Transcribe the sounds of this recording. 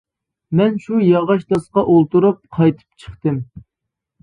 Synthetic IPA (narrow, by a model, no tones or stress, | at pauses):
mɛnʃujɑʁɑʃt̪ɑsqɑʔolˠt̪uɾup̚qʰɑjt̪ʰɨ̥p̚t͡ʃʰə̥χt̪ɨm